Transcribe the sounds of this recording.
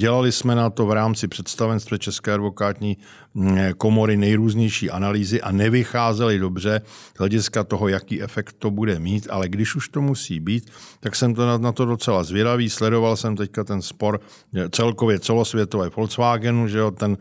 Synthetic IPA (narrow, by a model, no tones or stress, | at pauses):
ɟɛlalɪsmɛnat̪o̞vɾaːmt͡sɪpr̝̥ɛt̪st̪avɛnst̪vɛt͡ʃɛskɛːadvo̞kaːt̪ɲiː | ko̞mo̞ɾɪnɛjɾuːzɲɛjʃiːʔanaliːzɪʔanɛvɪxaːzɛlɪdo̞br̝ɛz̥ɦlɛɟɪskat̪o̞ɦo̞jakiːʔɛfɛkt̪ːo̞budɛmiːt̪ʔa̰lɛɡdɪʃuʃt̪o̞musḭːbiːt̪t̪ːaksɛmt̪onanat̪o̞do̞t͡sɛlazvjɛdaviːslɛdo̞valsɛmt̪ɛckat̪ɛnspo̞ɾ | t͡sɛlko̞vjɛt͡sɛlo̞svjɛt̪ovɛːfo̞lt͡svaːɡɛnuʒɛot̪ɛn